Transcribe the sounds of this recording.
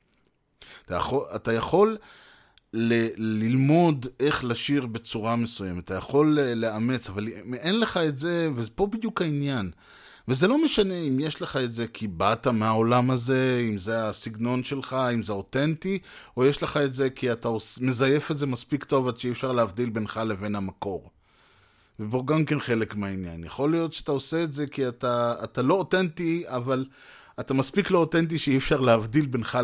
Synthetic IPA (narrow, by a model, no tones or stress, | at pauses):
at̪aja̰χoatajaχo̞lː | elilmo̞de̞χlaʃiʁbe̞t͡suʁamesujemetajaχo̞lːe̞ame̞t͡savalmenle̞χae̞tze̞vezepo̞bid̪jukhainjan | veze̞lo̞meʃane̞imjeʃleχae̞tze̞kʰibatameao̞lamaze̞imzeasiɡno̞nʃe̞lχaimzeo̞te̞ntio̞jeʃle̞χaetze̞kiataosme̞zaje̞fetze̞maspikto̞vadʃeiefʃaʁleavd̪ilbe̞nχale̞ve̞nhamako̞ʁ | vebo̞ɡamke̞nχe̞lekmeainja̰njaχo̞lijo̞tʃeat̪aose̞ːtze̞kiataːtalo̞otentiaval | atamaspiklo̞otent̬iʃeiefʃaʁleavdilbenχa